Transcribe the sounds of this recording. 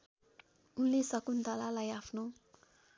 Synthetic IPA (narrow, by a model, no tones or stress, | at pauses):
ulesakund̪alalajafnõ